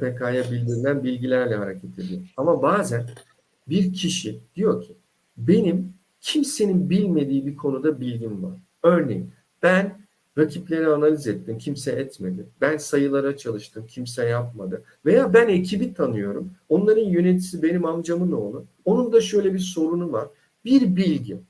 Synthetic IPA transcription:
pʰekʰaːjabilʲd̪iɾilʲænbilʲɟilʲæɾlʲɛɦaɾecʰet̪ʰe̞d̪ijoamabaːzæn | biɾcʰiʃid̪̥ijo̞cʰi̥ | be̞nim | cʰimse̞ninbilʲme̞d̪iːbikʰo̞nud̪abilʲɟinva̰ɾ̥ | øɾne̞̰jin | b̥æn | ɾacʰiplʲe̞ɾɛanalʲizɛt̪ːimcʰimsɛʔɛt̪me̞d̪imbænsajɯlˠaɾat͡ʃʰalˠɯʃt̪ʰɯmcʰimsɛjap̚mad̪ɯ | ve̞jaːbæne̞cʰibit̪ʰanɯjo̞ɾumo̞nlˠaɾɯnjø̞net̪ʰi̥sibe̞nimamd͡ʒamɯnolˠu | o̞nund̪aʃø̞jlʲɛbiɾso̞ɾunuvaɾ̥ | biɾbilʲɟi

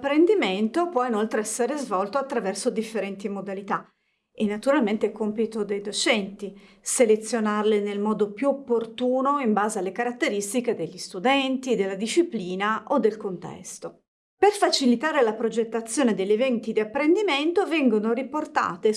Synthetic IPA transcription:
pːɾend̪iment̪opwɔinolt̪ɾeɛsːeɾezvɔlt̪oat̪ːɾavɛrsod̪ifːeɾɛnt̪imod̪alit̪a | enːat̪uɾalment̪ekompit̪od̪ejd̪ot͡ʃɛnt̪i | selet̪sːjonarlenelmɔːd̪opjuopːort̪uːnoimbaːzealːekaɾat̪ːeɾist̪iked̪eʎːist̪ud̪ɛnt̪id̪elːad̪iʃːipliːnaʔod̪ːelkont̪ɛ̰st̪o | perfat͡ʃilit̪aːɾelapɾod͡ʒet̪ːat̪sːjoːned̪eʎːevɛnt̪id̪iapːɾend̪iment̪ovɛŋɡonoɾiport̪a̰ːt̪e

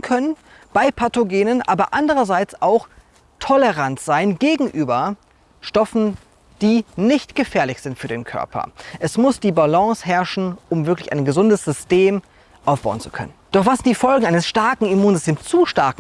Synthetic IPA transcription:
kʰœnən | b̥aɪpʰatoɡeːnənʔa̰ːbɐʔandəʁɐzaɪt͡saʊx | tʰɔləʁantz̥aɪnɡeːɡŋ̩ʔyːbɐ | ʃtɔfn̩ | d̥iːnɪçtɡ̥əfɛːɐlɪçz̥ɪntfyːɐdeːnkʰœ̰ɐpʰɐ̰ʔɛsmʊsd̥iːbalɔ̃ːshɛɐʃn̩ʔʊmvɪɐklɪça̰ɪnɡəzʊndəsz̥ʏsteːm | ʔaʊfb̥a̰ʊnt͡su̥kʰœ̰nənd̥ɔχv̥aszɪntd̥iːfɔlɡŋ̩aɪnəsʃtaɐkŋ̩imuːnzɪstʰeːmst͡suːʃtaɐk

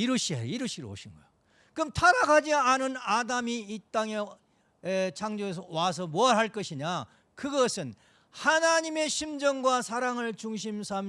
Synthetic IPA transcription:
iɾuɕʰiɦeiɾuɕʰiɾoo̰ɕʰinɡʌjo | kɯmtʰaɾaɡʰad͡ʑianɯnadamiːt͈aŋe̞ | et͡ɕʰaŋd͡ʑoes̬ʰʌwas̬ʰʌmoaɾɭɦaɭk͈ʌɕʰiɲa | kɯɡʌsʰɯn | hanaɲime̞ɕʰimd͡ʑʌŋɡwasʰaɾaŋɯɭt͡ɕuŋɕʰimsʰam

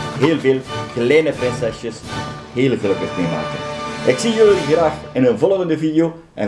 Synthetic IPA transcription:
ɦeːlˠveːlˠklɛjnəprɪnsɛsjəs | ɦeːlˠɣələkətmema̰ːkə̰nʔɪksijøliɣraːxɪnɦənvɔlˠəɣəndəvidɪoː | ʔɛ̰n

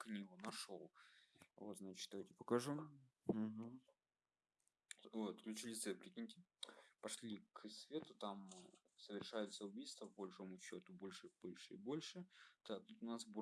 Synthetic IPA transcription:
knʲiɡʊnɐʂolˠvo̞t̪znat͡ɕɪ̥t̪d̪ɐvajʲtʲɪpəkɐʐu | ɦ̩ | vot̪klʲʊt͡ɕɪlʲɪt̪sɛpɾʲɪkʲinʲtʲɪpɐʂlʲikʰsvʲet̪ʊt̪am | səvʲɪrʂajʊt̪səʊbʲijst̪vəpbɐlʲʂo̞mʊɕːo̞t̪ʊbolʲʂɨvb̥o̞lʲʂɨibo̞lʲʂɨd̪̥at̪ut̪ʊnasb

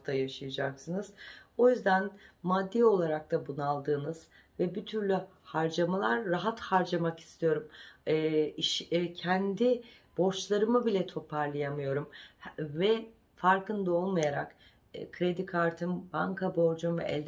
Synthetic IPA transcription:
t̪ʰajaʃɯjad͡ʒaksɯnɯz̥o̞jyzd̪ænmad̪ːiːo̞lˠaɾak̚t̪ʰabunalˠd̪ɯːnɯz̥ | vɛbyt̪ʰyɾlʲy | haɾd͡ʒamalˠaɾːaɦat̪haɾd͡ʒamaki̥st̪ʰijo̞ɾumː | iʃcʰɛnd̪i | b̥o̞ɾt͡ʃlˠaɾɯmɯbilʲɛt̪ʰo̞pʰaɾlˠajamɯjo̞ɾumvɛ | faɾkɯnd̪ao̞lˠmajaɾa̰kː | kʰɾe̞d̪ikʰaɾt̪ʰɯnbaŋkʰabo̞ɾd͡ʒunvɛ̰ʔɛ̰lʲd̪

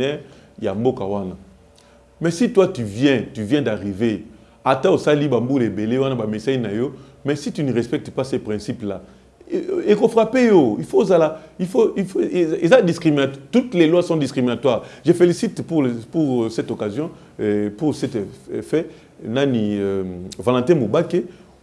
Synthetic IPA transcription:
nɛʁ | jambokawana | mɛsitwatyvjɛ̃tyvjɛ̃daʁive | atãosalibambulebelewanabamesajnajo | mɛsitynəʁɛspɛk̚tpasɛpʁɛ̃sipla̰ | ekofʁapejoifozalaifoiezadiskʁiminattutlɛlwasɔ̃diskʁiminatwaʁʒəfelisitpupuʁsɛtokazjɔ̃ | puʁsɛtfɛ | nanivalɑ̃tɛ̃mobake

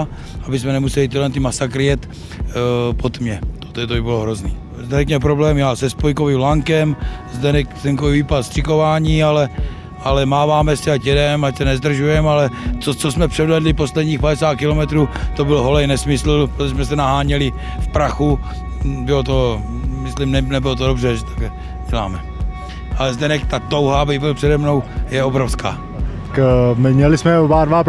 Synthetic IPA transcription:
abɪsmɛnɛmusɛlɪt̪idlɛnt̪ɪmasakɾɪjɛt̪ | pot̪mɲɛt̪ot̪ɛt̪oibɪloɦɾozniː | zd̪ɛnɛkɲɛp̬ɾoblɛːmjaːsɛspojkoviːmlaŋkɛmzd̪ɛnɛkt̪ɛŋkoviviːpat̪st̪r̥ɪko̞vaːɲiːalɛ | alɛmaːvaːmɛsiacjɛdɛmacsɛnɛzd̪r̩ʒujɛmalɛt͡sot͡sosmɛpr̥ɛdvɛdlɪposlɛdɲiːxpadɛsaːt̪̚kɪlomɛt̪ɾuːt̪obɪlɦolɛjnɛsmɪsl̩pɾot̪oɛsmɛsɛnaɦaːɲɛlɪ | fpɾaxu | bɪlot̪o̞ | mɪslɪmnɛnɛbɪlot̪odobrɛʒɛt̪ḁklɛ | ɟ̥ɛla̰ːmɛ | ʔalɛzd̪ɛnɛkt̪at̪owɦaːbɪbɪlpr̥ɛdɛmno̞wjɛo̞bɾofska̰ː | kmɪmɲɛlɪsmɛobaːdvap

